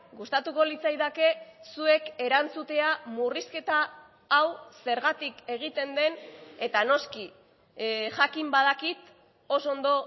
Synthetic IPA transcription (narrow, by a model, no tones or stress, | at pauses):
ɡust̪at̪uko̞lit͡sajðake̞sue̞ke̞ɾant͡sut̪e̞amuriske̞t̪aː | wse̞ɾɣat̪ike̞ɣ̞it̪e̞nd̪e̞ne̞t̪ano̞ski | ʝakimbað̞akit̪ | o̞so̞nd̪o̞